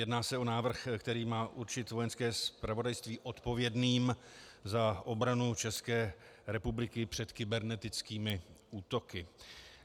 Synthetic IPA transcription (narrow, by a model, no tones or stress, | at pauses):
jɛdnaːsɛo̞naːvr̩xkt̪ɛɾiːmaːʔuɾt͡ʃɪt̪vo̞jɛnskɛːspɾavo̞dajst̪viːʔo̞t̪po̞vjɛdniːm | zaʔo̞bɾanut͡ʃɛskɛː | ɾɛpublɪkɪpr̝̥ɛt̪kɪbɛɾnɛt̪ɪt͡skiːmɪʔuːt̪o̞kɪ